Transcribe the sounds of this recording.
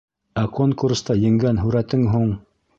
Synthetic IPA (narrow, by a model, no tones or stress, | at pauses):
ækoŋkurst̪ɑjɘ̆ŋɡænɦʉɾæt̪ɘŋɦuɴ